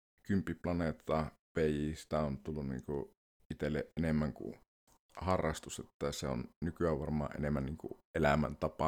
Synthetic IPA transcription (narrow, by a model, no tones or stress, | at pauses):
kympiplɑnet̪ːɑ | ʋejisi̥t̪æont̪ulːunnḭːŋku | it̪elːḛʔenemːæŋkṵ | hɑrːɑst̪uset̪ːæseo̰nnykyæʋʋɑrmˑɑ̰ːʔʔenemːænniːŋkṵʔelæmæ̰nt̪ɑpɑ